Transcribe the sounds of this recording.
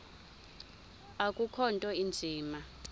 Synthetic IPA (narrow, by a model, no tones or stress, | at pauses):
akʼukʰɔntʼɔind͡zʱiːma